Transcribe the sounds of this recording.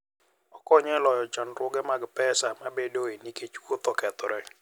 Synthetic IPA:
ɔkɔɲɛlɔjɔt͡ʃɔnɾʊɡɛmaɡpɛsamabedoeniket͡ʃwot̪okɛt̪ɔɾɛ

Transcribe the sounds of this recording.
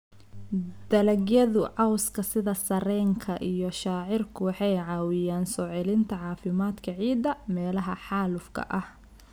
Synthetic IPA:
d̪̥ɐlɐɡjɐðʊʕɑwskʰɐsɪðɐsɐɾɛːŋkʰɐʔijɔʃaːʕɪrkʰʊwɑħɑjʕɑːwɪjaːnsɔʕɪlɪnt̪ʰɐʕɑːfɪmaːd̪kʰɐʕiːd̪ɐmɛːlɐɦɐħɑːlʊfkʰɐ̰ʔɐh

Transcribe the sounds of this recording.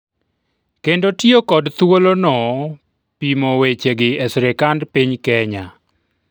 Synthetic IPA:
kendotjokɔdt̪wolonɔ | pimowet͡ʃeɡɪɛsɾɛkandpiɲkɛɲa

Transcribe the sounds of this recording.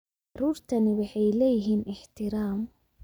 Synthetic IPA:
ɑruːrt̪ʰɐnɪwɑħɑjlɛːjɪɦiːnɪħt̪ʰɪɾaːm

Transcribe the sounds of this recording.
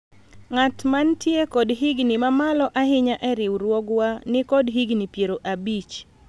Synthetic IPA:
ŋatmantjekɔdɦiɡnimamalɔʔaɦɪɲaʔɛɾɪwɾwɔɡwanɪkɔdɦiɡnipjeɾoʔabit͡ʃ

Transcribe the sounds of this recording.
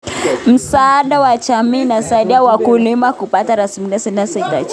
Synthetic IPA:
m̩saaɗawat͡ʃamiːnasaiɗiawakulimakupataɾasimiliasɛnasɛta̰t͡ʃ

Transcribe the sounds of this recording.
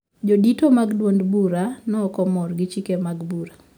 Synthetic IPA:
d͡ʒoditomaɡdwondbuɾanɔkɔmɔɾɡɪt͡ʃikemaɡbuɾa

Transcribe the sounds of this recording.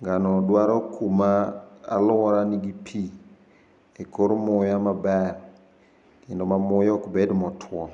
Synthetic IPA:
ŋɡanɔdwaɾɔkʰuma̰ːlʊwɔɾaniɡipʰi | ekoɾmʊjamabɛr | ɪndomamʊjɔkbedmɔtʰwɔ

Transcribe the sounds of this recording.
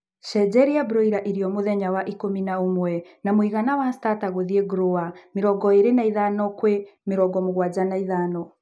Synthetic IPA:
ʃɛd͡ʒɛɾijabɾɔiɾaʔiɾiɔmoðɛɲawaʔikominaomwɛnamwiɣanawastataɣoðiɛɡɾoameɾɔɡɔeɾenaiðanɔkwemeɾɔɡɔmoɣwad͡ʒanaiðaːnɔ

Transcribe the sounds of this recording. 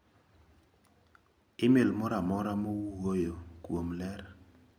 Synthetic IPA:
ɪmelmɔɾamɔɾamɔwuwojokwomlɛr

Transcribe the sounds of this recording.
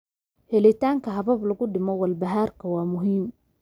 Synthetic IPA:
hɛlɪt̪ʰaːŋkʰɐɦɐβɐblɐɣʊɖɪmɔwɐlbɐɦaːrkʰɐwɑːmʊɦiːm

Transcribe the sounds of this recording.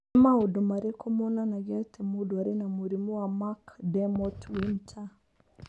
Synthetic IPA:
maudomaɾekʰɔmɔnanaɡatʰemudwaɾenamuɾimɔwamakdɛmɔtwintʰa

